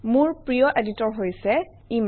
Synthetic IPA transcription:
muɹpɹijɔʔeditɔɹɦojsɛ | im

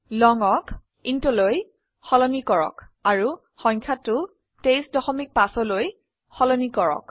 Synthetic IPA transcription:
lɔŋɔk | intɔloj | xɔlɔnikɔɹɔ̰kaɹu | xɔŋkʰatːʊ | tejsdɔxɔmik̚pasɔloj | xɔlɔnikɔɹɔ̰k

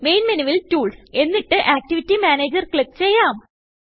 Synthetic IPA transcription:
mejnmɐniʋiltuːɭse̞nːiʈːɨʔaːk̚ʈiʋitːimaːneːd͡ʑɐrkɭik̚t͡ɕejːaːm

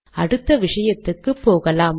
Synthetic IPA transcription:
ɐɽɯt̪ːɐʋɪʂɐjɐt̪ːɯkːɯpːoːɣɐlaːm

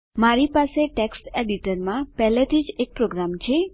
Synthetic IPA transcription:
maɾipaseʈeksʈeɖiʈəɾmãpɛɦlet̪ʰid͡ʒek̚pɾoɡɾamt͡ʃʰe

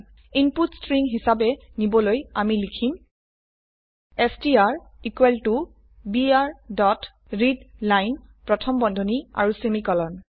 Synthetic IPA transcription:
imputstɹiŋɦisabɛ | nibɔlojamilikʰim | ɛstiaɹikwɛltu | biaɹdɔt | ɹidlajnpɹɔtʰɔmbɔndʱɔnia̰ɹusemikɔlɔn

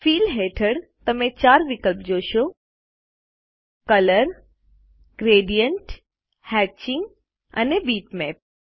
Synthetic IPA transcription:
fiːlɦeːʈʰəɽt̪əmẽt͡ɕaːɾʋɪkəlpd͡ʒoːʃo | kələɾ | ɡɾeːɖijəɳʈ | hɛːt͡ʃɪ̃ŋɡ | ə̰nebiːʈmɛːp̚

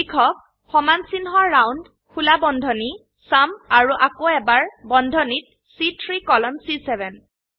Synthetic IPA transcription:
ikʰɔk | hɔmansinɦɔːawnd | kulabɔndʱɔni | samaɹuʔakoɛbaɹbɔndʱɔnit̚ | sitʰɹikɔlɔmsisɛbɛn

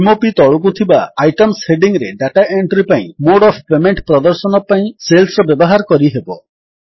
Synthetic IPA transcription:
imopit̪ɔɭuk̬ut̪ʰibaːjʈɔmsheɖiŋɾeɖaʈaʔeɳʈɾipaḭ̃moɽɔpʰpemeɳʈpɾɔd̪ɔɾsɔnɔpaĩselsɾɔbjɔbɔɦaɾɔkɔɾiɦebɔ

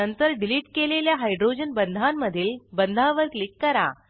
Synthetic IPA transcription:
ənt̪əɾɖiliʈkeleljaɦajɖɾod͡ʑənbənd̪ʱamːəd̪ʱiːlbənd̪ʱaʋəɾklikːəɾa̰

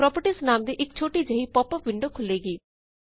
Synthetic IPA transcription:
ɾɔːpəʈiːsnaːmd̪iːʔɪkt͡ʃʰoːʈiːd͡ʒəɦipɔːpəʋɪ̃ɳɖoːkʰʊlːeːɡiː

